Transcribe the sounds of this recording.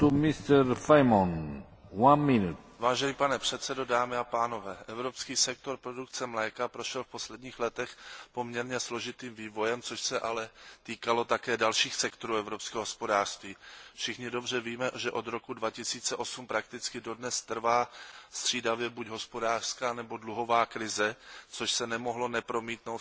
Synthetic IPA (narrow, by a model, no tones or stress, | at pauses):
t̪umɪst̪ɛɾfajmon | wanmɪnut̪ | vaːʒɛnipanɛpr̝̥ɛt̪sɛdo̞daːmɪapaːnovɛːʔɛvɾo̞pskiːsɛk̚t̪o̞ɾpɾo̞dukt͡sɛmlajkapɾo̞ʃɛlfpo̞slɛdɲiːxlɛt̪ɛxpo̞mɲɛɾɲɛslo̞ʒɪt̪iːmviːvo̞jɛmt͡so̞ʃsɛʔalɛt̪iːkalo̞t̪akɛːdalʃiːxsɛkt̪oɾuːɛvɾopskɛːɦoɦospo̞daːr̥st̪viːfʃɪxɲɪdo̞br̝ɛviːmɛʒɛʔo̞d̪ɾo̞kudvacɪsiːt͡sɛʔo̞sumpɾakt̪ɪt͡skɪdo̞dnɛst̪r̩vaːst̪r̝̥iːdavjɛbuɟɦo̞spodaːr̥skaːnɛbo̞dluɦo̞vaːkɾɪzɛt͡soʃsɛnɛmo̞ɦlo̞nɛpɾo̞miːt̪nowt̪